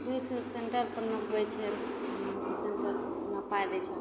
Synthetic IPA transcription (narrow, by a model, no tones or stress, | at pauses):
d̪ukʰseɳʈəɾpəɾnəkbət͡ʃʰɛ | seɳʈəɾ | nəpʰajd̪ɛt͡ʃʰɛ